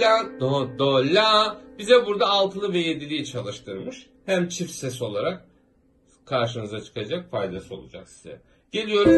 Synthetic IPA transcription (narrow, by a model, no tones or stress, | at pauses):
ad̪od̪olʲabizɛbuɾd̪aːlˠt̪ʰɯnˠɯvɛje̞d̪ilʲijit͡ʃʰalˠɯʃt̪ʰɯɾmɯʃ | hæmt͡ʃʰifsɛso̞lˠaɾak̚ | kʰaɾʃɯnɯzat͡ʃʰɯ̥kad͡ʒakfajd̪asɯo̞lˠud͡ʒa̰ksiz̥ɛ̰ | ɟ̥e̞lʲijo̞ɾum